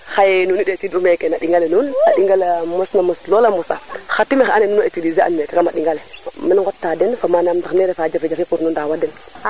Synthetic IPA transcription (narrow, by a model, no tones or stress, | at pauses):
xajenunidetidumekenaɗiŋɡalenunaɗiŋɡalmusnamuslolamusa̰xatːimexanenunoetidizia̰nmekekamaɗiŋɡaleminŋɡotːadenfamanamtaxneɾefad͡ʒafid͡ʒafipuɾnundawadɛn